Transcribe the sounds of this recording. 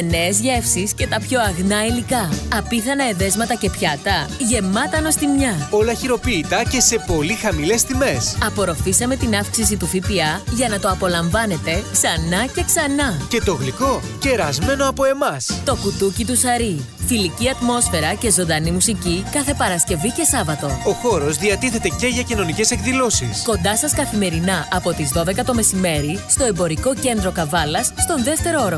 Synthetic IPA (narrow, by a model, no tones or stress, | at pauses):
ne̞ːzʝe̞fsisce̞t̪ɐpço̞ɐɣnɐilikɐːpiθɐnɐeðe̞zmɐt̪ɐce̞pçɐt̪ɐʝe̞mɐt̪ɐno̞st̪imɲɐo̞lɐçiɾo̞piːt̪ɐce̞se̞po̞lixɐmile̞st̪ime̞sɐpo̞ɾo̞fisɐme̞t̪inɐfksis̬it̪ufipiɐʝɐnɐt̪o̞ɐpo̞lɐɱvɐne̞t̪e̞ksɐnɐce̞ksɐnɐce̞t̪o̞ɣliko̞ | ce̞ɾɐzme̞no̞ɐpo̞e̞mɐst̪o̞kut̪ucit̪usɐɾi | filiciɐt̪mo̞sfe̞ɾɐce̞zo̞nd̪ɐnimusicikɐθe̞pɐɾɐsce̞vice̞sɐvɐt̪o̞o̞xo̞ɾo̞zðiɐt̪iθe̞t̪e̞ce̞ʝɐcino̞nice̞sekðilo̞sisko̞nd̪ɐsɐskɐθime̞ɾinɐɐpo̞t̪izðo̞ðe̞kɐt̪o̞me̞sime̞ɾist̪o̞e̞mbo̞ɾiko̞ce̞nd̪ɾo̞kɐvɐlɐsːt̪o̞nðe̞ft̪e̞ɾooɾo